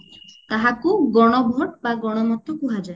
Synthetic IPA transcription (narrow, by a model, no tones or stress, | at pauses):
t̪aɦakuɡɔɽ̃ɔbʱɔʈbaɡɔɽ̃ɔmɔt̪ʰɔkuɦad͡ʒae